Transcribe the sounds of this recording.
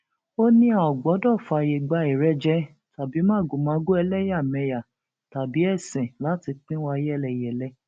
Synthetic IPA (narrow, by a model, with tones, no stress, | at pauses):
o˦nĩ˦a˨ɔ˨ɡ͡bɔ˨˦dɔ˦˨fa˨˧˨je˧˨ɡ͡ba˨˧i˨ɾɛ˦d͡ʒɛ˦ | ta˨bi˨˦mãː˦˨ɡu˨mã˨˦ɡu˦ɛ˧lɛ˦ja˦˨mɛ̃˧ja˨ | ta˨bi˨˦ɛ˦˨sɛ̃˨la˨˦ti˧k͡pĩ˦wa˧jɛ˦˨lɛ˨jɛ˨lɛ˦